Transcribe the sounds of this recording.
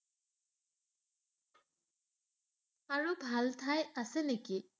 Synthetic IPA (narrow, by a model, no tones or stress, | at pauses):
aɹubʱaltʰajasɛneki